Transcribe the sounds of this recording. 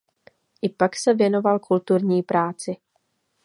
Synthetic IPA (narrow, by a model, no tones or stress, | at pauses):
ʔɪpaksɛvjɛno̞valkult̪uɾɲiːpɾaːt͡sɪ